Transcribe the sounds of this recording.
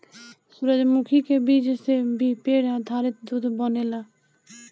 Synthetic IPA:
suɾəd͡ʒmukʰikebid͡ʒsebipeɽad̪ʱaɾet̪̚d̪ud̪ʱbɔnela

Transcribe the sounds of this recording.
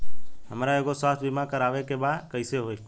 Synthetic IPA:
ɦəmɾaeɡoswaːt̪ʰbimakəɾaːʋekebakəɪseɦoːj

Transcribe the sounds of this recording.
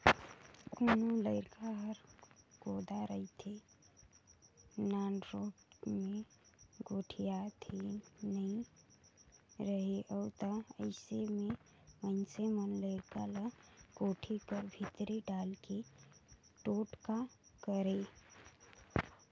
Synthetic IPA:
koːnoləɪɾkaɦəɾkoːd̪aɾəɦit̪ʰe | naːnɾoːpmẽɡoːʈʰijat̪ʰinəɦĩ | ɾəɦeʔəːt̪əəɪsemẽ | mənsemənləɪɾkaləɡoːʈʰikəɾbʱɪt̪ɾeɖaːlke | ʈoːʈkakəɾe

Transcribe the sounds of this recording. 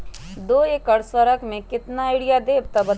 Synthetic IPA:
d̪oːeːkəɾswəɾəkmẽkɪt̪naːɪɽijad̪eːb̚t̪ɐbɐ

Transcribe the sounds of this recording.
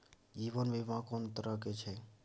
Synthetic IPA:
d͡ʒiʋənʋemãkont̪əɾəket͡ʃʰe

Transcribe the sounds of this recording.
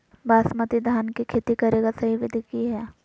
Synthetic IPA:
baːsmət̪id̪ʱaːnkikʰeːt̪ikɐɾeːɡasɐɦiʋɪd̪ʱikiɦɛː

